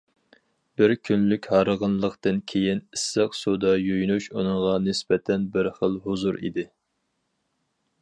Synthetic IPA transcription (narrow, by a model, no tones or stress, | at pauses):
b̥ɪɾkʲʰynlykʲhɑɾəʁənlˠəqt̪ɨnkʲʰejinɪsːɨqsud̪ɑjøjnuʃunɨŋʁɑnɪsbɛt̪ʰɛnbɪɾχəlˠɦuzuɾḭd̪ɪ